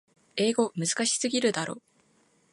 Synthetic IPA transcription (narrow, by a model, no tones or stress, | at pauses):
e̞ːɡo̞mɯ̟zɨ̥kaɕi̥sɨɡʲiɾɯ̟d̪aɾo̞ː